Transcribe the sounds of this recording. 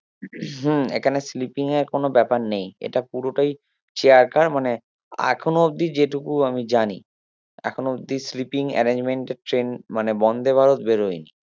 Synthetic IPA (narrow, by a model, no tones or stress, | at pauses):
ɦḛkʰaneslipiŋeɾkonobɛpaɾnejḛʈapuɾoʈaj | t͡ɕeaɾkaɾmane | ɛ̰kʰonob̚d̪id͡ʑeʈukuamid͡ʑani | ɛ̰kʰonobd̪islipiŋɛ̰ɾend͡ʑmeɳʈeɾʈɾenmanebɔnd̪ʱebʱaɾot̪beɾɦojni